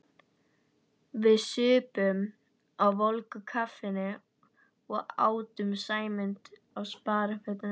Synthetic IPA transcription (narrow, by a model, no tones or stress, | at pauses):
vɪðsʏːpʏm | awvɔlkʏkʰafɪnɪ | ɔɣa̰ːwt̪ʏmsaːjmɪnt̪ | awspaːɾafœt̪an